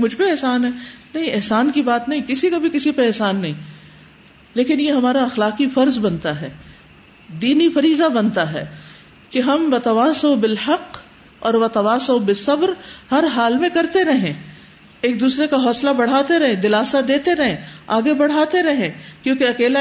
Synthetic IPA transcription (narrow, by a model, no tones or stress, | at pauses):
mʊd͡ʒʱbʱiɛɦsaːnɦɛːnɐɦĩɪɦsaːnkibaːt̪nɐɦĩkɪsikabʱikɪsipeɛɦsaːnːɐɦĩ | leːkɪnjeɦɐmaːɾaɐxlaːqifɐɾzbɐnt̪aɦɛː | d̪iːnifɐɾiːzabɐnt̪aɦɛ̰ː | keɦɐmʋɐt̪ɐʋaːsobɪlħɐq | ɔ̰ːɾʋɐt̪ɐʋaːsobɪsɐbɾhɐɾɦaːlmẽkɐɾt̪eɾɐɦẽ | eːk̚d̪uːsɾekaɦɔːslabɐɽ̤aːt̪eɾɐɦẽd̪ɪlaːsad̪eːt̪eɾɐɦẽːaːɡebɐɽ̤aːt̪eɾɐɦẽːkjõːkeɐkeːla